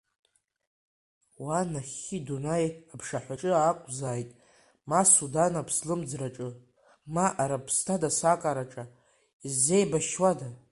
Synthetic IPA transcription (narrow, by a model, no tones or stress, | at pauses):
wanaχʲidunajapʰʂaħʷaʈ͡ʂʼɨaːkʷʼzaːjtʼ | masudanapʰslɨmd͡zraʈ͡ʂʼɨ | maʔaɾapʰstʰadasakʼaɾaʈ͡ʂʼa | izːe̞jbaʃwada